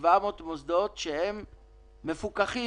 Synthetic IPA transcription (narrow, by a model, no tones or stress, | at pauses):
vamot̪mosd̪o̞t̪ʃehemː | e̞fukaχi